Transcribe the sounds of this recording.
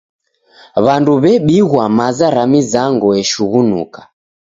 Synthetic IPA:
βanduβɛɓiɣwamazaɾamizaŋɡɔɛʃuɣunṵkḁ

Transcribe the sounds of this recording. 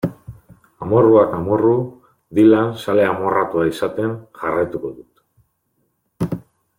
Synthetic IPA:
amo̞ruakamo̞ru | ðilansale̞amo̞rat̪uaisat̪e̞nʝarajt̪uko̞ðut̪

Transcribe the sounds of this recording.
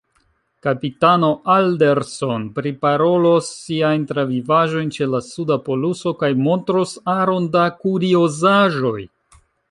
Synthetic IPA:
kapitano̞ʔaldeɾso̞npɾipaɾo̞losːiajntɾavivaʒo̞jnt͡ʃe̞lasudapo̞luso̞kajmo̞ntɾosaɾo̞ndakuɾio̞zaʒo̞j

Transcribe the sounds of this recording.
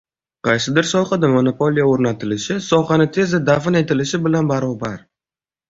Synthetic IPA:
qʰɑjsɪd̪ɪɾsɒjqɑd̪ɪmonopʰolijaoɾnat̪ʰɪlɪʃɪsɒχɑnɪt̪ʰe̞zd̪ad̪afɪne̞t̪ʰɪlɪʃɪbɪlanbaɾɒbaɾ

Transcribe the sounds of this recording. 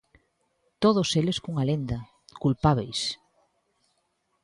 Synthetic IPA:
t̪oðoseleskuŋalend̪a | kulpaβejs

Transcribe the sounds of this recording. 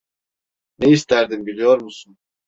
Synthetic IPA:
neist̪ʰæɾd̪imbilʲijo̞ɾmusun

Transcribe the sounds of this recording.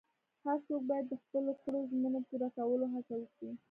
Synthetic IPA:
haɾt͡sok̚bɑjad̪ːəxpəloxəɽoʒmənopuɾakawəloɦat͡sawəkɽi

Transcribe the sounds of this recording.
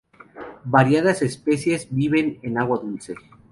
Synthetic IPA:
baɾjað̞ase̞spesje̞zbiβe̞nenaɣwaðulse

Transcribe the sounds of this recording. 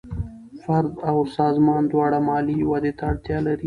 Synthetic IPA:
fɐɾd̪awsɑːzmɑːnd̪wɑːɽamɑːliwad̪et̪aːɽt̪jɑlaɾi

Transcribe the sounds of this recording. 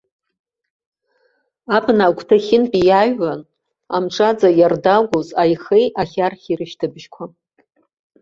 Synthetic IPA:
apʰnaɡʷtʰaχʲɪnpʼijaɥan | amʈ͡ʂʰʼad͡zajardaɡʷozajχejaχʲarχʲiɾɨʃtʰɨbʒkʷʰa

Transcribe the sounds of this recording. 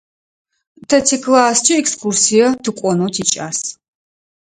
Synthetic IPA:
tʰɐtʰikʰʼlaːst͡ʃʰʼiɛkskʰursijɐtʰɨqʷʼɔnotʰit͡ʃʼa̰ːs

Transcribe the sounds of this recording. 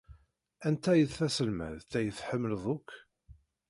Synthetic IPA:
ænt̪æjəθθæsəlmæ̰ðt̪æjəθħəmːləðˤʊkː

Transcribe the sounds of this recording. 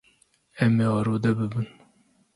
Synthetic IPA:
ɛmeɑːɾoːd̪ɛbɨbɨn

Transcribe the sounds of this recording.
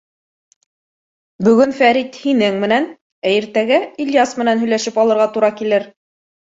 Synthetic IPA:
bɵ̆ɡɵnfæɾit̪hinɘŋmɘ̆næn | æjɘɾt̪æɡæiljasmɘ̆nænɦɵ̆jlæʃɘpɑlˠɤ̆ɾʁɑt̪uɾɑkilɘɾ

